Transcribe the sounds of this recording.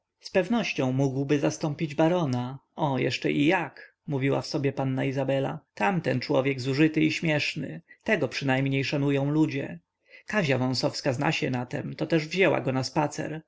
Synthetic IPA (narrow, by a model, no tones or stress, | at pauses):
spɛvnɔɕt͡ɕɔ̃w̃muɡwbɘzast̪ɔ̃mpʲid͡ʑbaɾɔnaɔjɛʂt͡ʂɛ̰ʔijak | muvʲiwa̰fsɔbʲjɛpanːaizabɛla̰t̪amt̪ɛnt͡ʂwɔ̰vʲjɛɡzuʐɘt̪ɘiɕmʲjɛʂnɘ̰t̪ɛɡɔpʂɨnajmɲejʂanujɔ̃w̃lud͡ʑɛ̰ | kaʑavɔ̃w̃sɔfskazna̰ɕɛnat̪ɛmt̪ɔt̪ɛʐvʑɛwa̰ɡɔnaspat̪sɛ̰ɾ